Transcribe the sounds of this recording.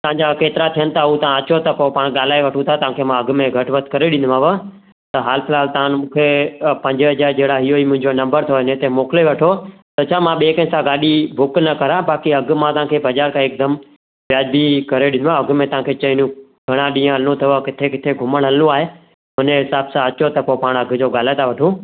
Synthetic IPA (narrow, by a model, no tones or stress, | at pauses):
t̪ɐʋãɲd͡ʑakeːt̪ɪɾat̪ʰijənɪ̆t̪ʰaɦũt̪ɐãɐt͡ɕot̪ɐpopaːɽ̃ɠaːl̤aːeʋɐʈʰũt̪ʰat̪ɐʋ̤ãːkʰemãɐɡmẽɡʱɐʈʋət̪kɐɾeɗɪ̃nd̪ʋãʋə | t̪ɐɦaːlɪpʰɪlaːlt̪ɐãnmũːkʰepɐ̃ɲd͡ʑɦɐd͡ʑaːɾd͡ʑeɦɽaɦijoimʊ̃ɦɪ̃ɲd͡ʑonɐ̃mbəɾt̪ʰoɪnẽt̪emoːkɪleʋɐʈʰo | t̪ɐt͡ɕʰaːmãɓeːkə̃nɪsãɡaːɗibʊknɐkɐɾãbaːkiɐɡʱmãt̪ɐʋ̤ãːkʰebʱɐd͡ʒaːɾkʰãeːk̚d̪əm | ʋjaːd͡ʑbikɐɾeɗɪ̃nd̪ʱʋãɐɡʱmẽt̪ɐʋ̤ãːkʰet͡ɕɐĩnjũ | ɡʱɐɽ̃ãɗĩːãnõt̪ʰijokɪt̪ʰekɪt̪ʰeɡʱʊməɽ̃əlũaːɦe | ɦʊneɦɪsaːbsãɐt͡ɕot̪ɐkopaːɽ̃ɐɡʱd͡ʑoɠaːl̤aːet̪ʰaʋɐʈʰũː